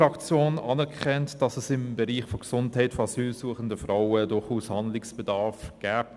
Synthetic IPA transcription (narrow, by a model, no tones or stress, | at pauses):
ɑkt͡sjoːnɑːnɛʁkʰχɛntd̥ɑsɛsɪmbəɾiːχfoɡsʊnthɛɪtfoɑsyːlsuːəχəndəfraʊədʊχuːshɑndlɪksb̥ɛdɑɾfɡ̥ɛːp